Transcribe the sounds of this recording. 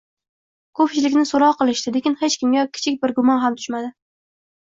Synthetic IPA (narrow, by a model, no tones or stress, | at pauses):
kʰopt͡ʃɪlɪkʲnɪsoɾɒʁqɨlˠɪʃt̪ɪlekʲɪnhet͡ʃkʲɪmɡʲakʲʰːɪ̥t͡ʃʰɪkʲbɪɾɡʊmɒnɦamt̪ʰʊ̥ʃmad̪ɪ